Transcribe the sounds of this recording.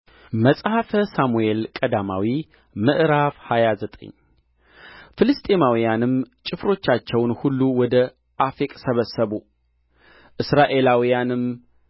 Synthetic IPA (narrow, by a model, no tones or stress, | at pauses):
məsʼhafəsamuelkʼəd̪ama̰wi | mɨʔɾavhajazət̪ʼə̰ɲː | fɨlɨst̪ʼemawijanɨmt͡ʃʼɪfɾo̞t͡ʃːat͡ʃːɛwnhulːuwɔd̪ə | ʔafikʼsəβəsːəβu | ʔɨsɾaʔe̞lawijanɨm